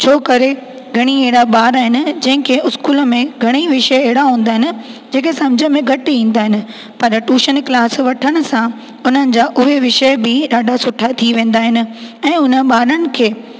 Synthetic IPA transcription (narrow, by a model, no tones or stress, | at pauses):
t͡ɕʰoːkɐɾe | ɡʱɐɽ̃ieɦɪɽaɓaːɾaːɦɪnɪ̆d͡ʑɐ̃ɦɪ̃kʰeʊskuːlə̆mẽɡʱɐɽ̃iʋɪʃəeɦɪɽaɦũːn̆d̪aːɦɪnɪ̆d͡ʑẽːkʰesɐ̃md͡ʑʱəmẽɡʱɐʈɪĩːn̆d̪aːɦɪnɪ̆ | pɐɾʈuːʃənklaːsʋɐʈʰəɽ̃ʊ̆sã | ʊn̤ənɪ̆d͡ʑaːʔʊɦeʋɪʃəbɪɗaːɖʱasʊʈʰat̪ʰiʋẽːn̆d̪aːɦɪnɪ̆ɛ̃ːʊnəɓaːɾənɪ̆kʰeː